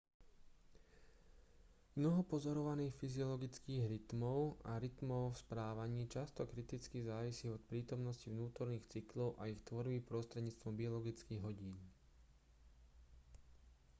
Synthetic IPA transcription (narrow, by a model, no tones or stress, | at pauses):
mnɔɦɔpɔzɔɾɔʋaniːxfiziɔlɔɡit͡skiːɣɾit̪mɔʊaɾit̪mɔʊfspɾaːʋaɲiːt͡ʃast̪ɔkɾit̪it͡skizaːʋisiːɔt̪pɾiːt̪ɔmnɔscivnuːt̪ɔɾniːxt͡siklɔʊʔaixt̪ʋɔɾbipɾɔst̪ɾɛdɟɲiːt͡st̪ʋɔmbiɔlɔɡit͡skiːɣɦɔɟiːn